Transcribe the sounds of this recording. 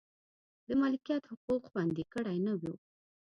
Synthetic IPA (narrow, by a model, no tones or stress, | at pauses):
d̪əmɑlɪkijɑt̪hʊquqxwand̪ekəɽajnawi